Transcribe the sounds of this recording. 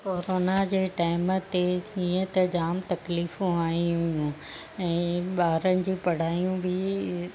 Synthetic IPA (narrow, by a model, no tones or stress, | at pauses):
koːɾoːnad͡ʑeːʈaːɪmt̪eiːə̃t̪ɐd͡ʑaːmt̪ɐkliːfũaːĩɦʊijũ | ɛ̃ːɓaːɾənɪ̆d͡ʑiːpɐɽ̤aːijũbɪ